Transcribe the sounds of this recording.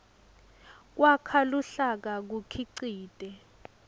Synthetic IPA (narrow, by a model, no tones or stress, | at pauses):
k̬wakʰaluɬak̬ak̬ukʰiǀiːtʼɛ